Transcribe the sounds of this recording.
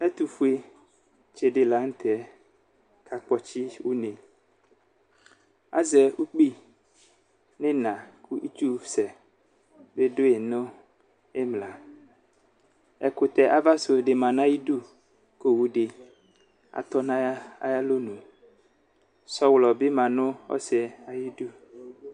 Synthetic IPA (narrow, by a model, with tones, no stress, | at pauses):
ɛ˦t̪u˨fu˨e˦ | t͡ʃe˨ɖe˨la˨˦ŋ̩˦t̪ɛ˨˦ | kʰa˨k͡pɔ˦t͡ɕi˦wu˦nẽ˨ | a̰˦zɛ˨ʔu˦k͡pi˦ | nẽ˦nã˨kʰu˦ʔi˦t̪u˦sɛ˨ | be˦do˦e˨nõ˦ | e˦mla˨ | ɛ˨ko˨t̪ɛ˨ʔa˨va˦so˨ɖe˨mã˨nã˦ji˦du˦ | ko˦wu˦ɖe˨ | a̰˨t̪ɔ˦nã˦a˦ja˦lo˦nũ˨ | sɔ˦wlɔ˨be˦mã˨nõ˦ɔ̰˦sɛ˨a˨ji˦du˦